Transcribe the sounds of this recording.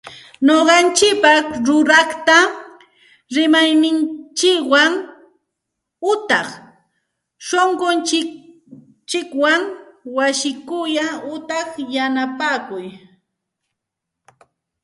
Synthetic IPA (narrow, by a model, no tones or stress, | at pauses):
noɢɑnt͡ʃɪk̚pɑχɾʊɾɑχt̪a | ɾɪmajnɪnt͡ʃɪkwaŋ | ʊt̪ɑχ | ʃoɴɢont͡ʃɪk | t͡ʃɪkwaŋwasɪkʊjaʊt̪ɑχjanapaːkʊj